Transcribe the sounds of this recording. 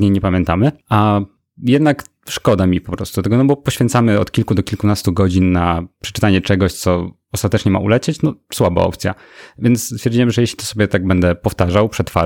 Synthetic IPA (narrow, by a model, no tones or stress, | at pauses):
ɲejɲɛpamʲjɛnt̪amɘa | jɛd̪nak | ʂkɔd̪amʲipɔpɾɔst̪ud̪ɔt̪ɛɡɔnɔbɔpɔɕfʲjɛnt̪samɘɔt̪kʲilkud̪ɔkʲilkunast̪uɡɔd͡ʑinːapʂɛ̥t͡ʂɘ̥t̪aɲɛt͡ʂɛɡɔɕt̪sɔ | ɔst̪at̪ɛt͡ʂɲɛma̰ṵlɛt͡ɕet͡ɕnɔswaba̰ɔ̰pt̪sʲja̰ | vʲjɛnt̪sst̪fʲjɛɾd͡ʑiɲɛmʐɛjɛɕlʲit̪ɔ̥sɔbʲjɛt̪aɡ̚bɛnd̪ɛpɔft̪aʐawpʂɛt̪fa̰